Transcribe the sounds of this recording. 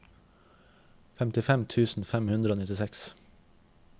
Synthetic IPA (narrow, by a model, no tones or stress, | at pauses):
fɛmt̪ɪfɛmt̪ʰʉːsn̩fɛmhʉnd̪ɾəoːnɪt̪ɪsɛks